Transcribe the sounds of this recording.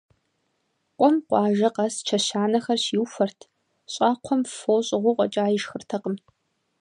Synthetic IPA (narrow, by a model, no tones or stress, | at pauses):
qʷʼɔmqʷʼɑːʒɐqɐst͡ʃʰɐɕaːnɐxɐrɕɪwfɐrtʰ | ɕʼaːqʷʰɔmfoːwɕʼɪʁʷʊqʷʼɔt͡ʃʼaːjɪʃxɨrtʰɐqəm